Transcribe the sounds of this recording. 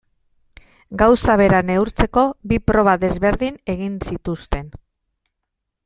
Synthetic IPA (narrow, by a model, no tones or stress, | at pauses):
ɡawsaβ̞e̞ɾane̞uɾt͡se̞ko̞βipɾo̞β̞aðe̞zβe̞ɾðine̞ɣinsit̪ust̪e̞n